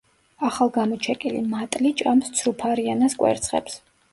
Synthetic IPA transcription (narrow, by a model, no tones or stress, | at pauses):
aχalˠɡamɔt͡ʃʰɛkʼilḭmat̪ʼlit͡ʃʼamst̪sʰɾupʰaɾianaskʼwɛ̰ɾt̪sʰχɛ̰ps